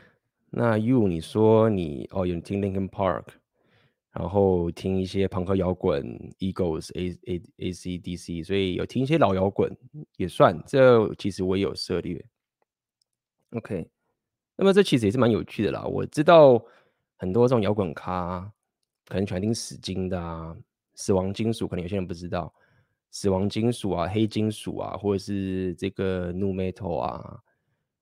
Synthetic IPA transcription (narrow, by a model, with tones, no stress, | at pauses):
nʔa˥˩ju˥˩ni˨˩ʂwɔ˥nḭ˨˩ɔ̰˥˨jo˧˩ni˨˩t̪ʰi˥ŋli˧˥ŋkə˧npʰɑ̰˥˧ɹkʰ | ɻa̰˧˥nxo˥˩ʊt̪ʰi˥ŋi˥˩ɕjɛ˥pʰɤ˧˥ŋkʰɤ˧˥jɑ˧˥ʊkwə̰˨˩˦ni˥ko˥˩ʊs | e˧˥si˥d̪i˥si˥swɔ˧˥i˨jo̰˨˩t̪ʰi˥ŋi˥˩ɕjɛ˥lɑ˨˩ʊjɑ˧˥ʊkwə̰˨˩˦njɛ˨˩swa˥˩nʈ͡ʂɤ˥˩t͡ɕʰi˧˥ʂɻ̩˧˥wɔ˧˥jɛ˥jo̰˨˩ʊʂɤ˥˧ljɛ̰˥˩ | o˧˥ʊkʰe˥ɪ | na˥˩mə˨˩ʈ͡ʂɤ˥˩i˧˥ʂ̬ɻ̩ɨ˧˥˨ɻ̩˥˩ma˧˦njo˨˩ʊt͡ɕʰy˥˩d̪ə̰˨lɐ̰˨˩wɔ̰˨˩ʈ͡ʂɻ̩˥t̪̬ɑ˥˩ʊ | xə˨˩nt̪wɔ˥ɤ˥˩ʊ˨ŋjɑ˧˥ʊkwə˨˩nkʰa˥ | kʰə˨˩ə˧˦ŋt͡ɕʰa˧˥nt̪ʰi˥˧ŋʂɻ̩˨˩t͡ɕi˥ŋd̪ə˨a˩ | s̩˨˩wɑ˧˥ŋt͡ɕi˥ŋʂu˨˦kʰə˧˦jje˥˧˦pu˥˩ʈ͡ʂɻ̩˦t̪ɑ˥˩ʊ | sɹ̩˨˩wɑ˧˥ŋt͡ɕi˥ŋʂu˨˩a˨xe˥ɪt͡ɕi˥ŋʂṵ˨˩a̰˨˩xwɔ˥˩ʈ͡ʂə˨˩ʂɻ̩˥˧ʈ͡ʂɤ˥˩ɡə˩nu˥˧mɛ˥t̪ʰo˨˩ʊa̰˨˩